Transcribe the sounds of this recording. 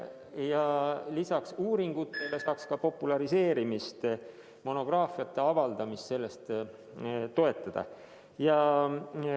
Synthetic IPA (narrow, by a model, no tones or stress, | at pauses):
jɑlisɑksuːɾiŋɡ̥ut̪ːˑe̞le̞sɑːkskɑpo̞pːulɑɾise̞ːɾimist̪ | mo̞no̞ɡ̥rɑːfijɑt̪ːˑe̞ɑvɑld̪̥ɑmist̪se̞lːe̞st̪ | t̪ːo̞e̞t̪ˑːɑd̪̥ɑ̰ | jɑ